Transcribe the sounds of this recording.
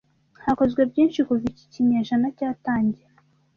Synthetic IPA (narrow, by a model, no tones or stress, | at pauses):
hako̞zɡwebɟiːnʃikuvici̥ciɲaʒanacaːtaːɲɟe